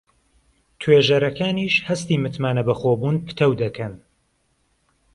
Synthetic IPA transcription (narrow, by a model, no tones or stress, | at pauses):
t̪ʰweʒɐɾɐkʰaːniːʃhɐst̪iːmɨt̪maːnɐbɐxoːbuːnpʰɨ̥t̪ʰɛwd̪ɐkʰɐn